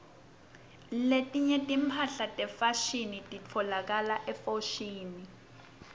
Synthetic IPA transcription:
letʼiɲɛtʼim̩pʰaɬatʼɛfaʃinitʼit͡fʰɔlak̬alaʔɛfoʃiːni

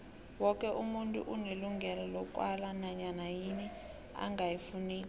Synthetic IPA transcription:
wɔkʼɛʔumuntʼṵʔuneluŋɡʱɛlalɔkʼwalanaɲanajini | a̰ŋɡajifuniːla

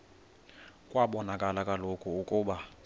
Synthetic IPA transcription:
kʼwaɓɔnakʼalakʼalokʰʼuukʼuːɓa

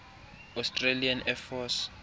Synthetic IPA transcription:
astʼrelianɛfɔs

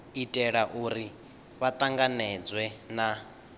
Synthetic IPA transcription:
itʼɛɺaʔuɾi | βat̪ʼaŋɡanɛd͡zwɛna

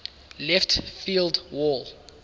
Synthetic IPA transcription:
lɛftfildwɔl

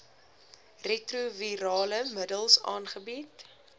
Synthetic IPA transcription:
retruviɾɑːləmədəlˠsɑ̰ːnχəbit

